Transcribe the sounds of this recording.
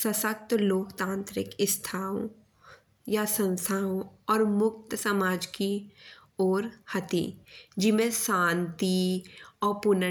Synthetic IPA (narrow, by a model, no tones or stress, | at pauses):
sɐsək̚t̪loːkt̪ãːnt̪ɾɪ̰kɪst̪ʰaːõ̰ | jasə̃nsʰaːõɔːɾmʊk̚t̪sɐmaːd͡ʒki | oːɾhɐt̪ḭd͡ʒɪmẽsãːnt̪iɔːɾpʊnə